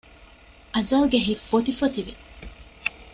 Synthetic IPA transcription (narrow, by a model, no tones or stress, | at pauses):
ʔɐzɐlɡeɦifːot̪ifot̪iʋi